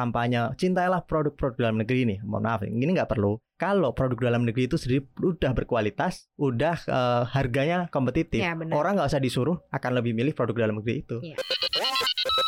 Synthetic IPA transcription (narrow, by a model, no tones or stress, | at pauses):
ampaɲat͡ʃint̪ailahpɾodʊk̚pɾodʊk̚dalamnəɡɾiːnɪmɔ̰na̰fnɪ̰iniŋɡaʔpərlu | kalopɾodʊk̚dalamnəɡɾiːt̪usədiɾiudahbərkualit̪asudahəharɡaɲakompət̪it̪ɪfoɾaŋɡaʔusahdisuɾʊhakanləbɪhmilɪhpɾodʊk̚dalamnəɡɾiːt̪u